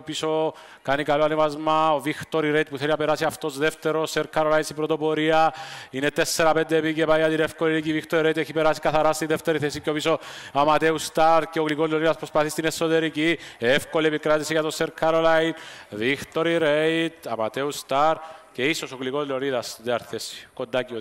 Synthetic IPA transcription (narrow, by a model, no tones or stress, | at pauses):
opiso | kɐnikɐloɐnevɐzmɐovixt̪oɾiɾejt̪̚puθeliɐpeɾasiɐft̪o̞zðeft̪eɾoseɾkʰɐɾolainsipɾot̪o̞poɾiɐine̞t̪esːeɾɐpend̪emicepajɐt̪inefkolilicivixt̪oɾiɾeit̪eçipeɾasi̥kɐθɐɾast̪iðeft̪eɾiθesikeo̞pisoɐmɐt̪eust̪aɾceoɣlikozleoniðɐspɾospɐθist̪inesːot̪e̞ɾiciefkoliepikɾat̪isiʝɐt̪oseɾkʰaɾolainðixt̪o̞ɾiɾeit̪ɐmɐt̪eust̪aɾce̞isosoɣliko̞zleoniðɐst̪ðiɐɾθesi̥kond̪aci